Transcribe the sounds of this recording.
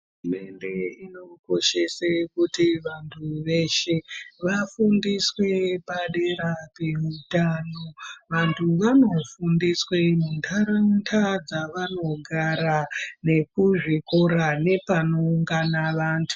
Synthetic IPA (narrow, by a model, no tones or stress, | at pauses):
ɦuume̞nde̞ino̞ko̞ʃe̞sekutiʋantʰuʋe̞ʃe̞ʋafundiswe̞paɗeɾapeutaːnoʋantʰuʋano̞fundiswe̞mundʰʱaɾantʰad͡zaʋano̞ɡʱaɾane̞kuʐikoɾane̞pano̞uŋɡanaʋaːntʰu̥